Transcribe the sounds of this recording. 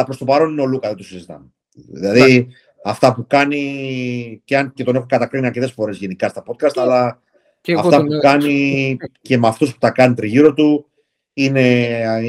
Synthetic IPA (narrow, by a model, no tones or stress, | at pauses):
ɐpɾo̞st̪o̞pɐɾo̞nineo̞lukɐðet̪osizit̪ɐ̰me | ðḭlɐði | ɐft̪ɐpukɐni | ceɐncet̪o̞ne̞xokɐt̪ɐkɾiniɐɾce̞t̪e̞sfo̞ɾe̞zʝe̞nikɐst̪ɐpo̞t̪̚kɐst̪ɐlɐ | ɐfft̪ɐpuukɐnice̞mɐft̪ospu̥t̪ɐkɐnit̪ɾiʝiɾot̪u | ine̞